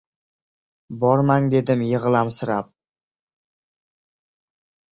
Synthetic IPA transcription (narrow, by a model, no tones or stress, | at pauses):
bɒɾmaŋd̪e̞d̪ɪmjɨʁlˠamsɪɾap̚